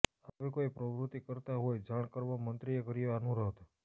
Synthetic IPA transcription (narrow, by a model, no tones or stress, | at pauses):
aʋekoipɾəʋɾut̪ikəɾt̪aɦojd͡ʒaɳ̃kəɾʋamənt̪ɾiekəɾijeanũɾəɦt̪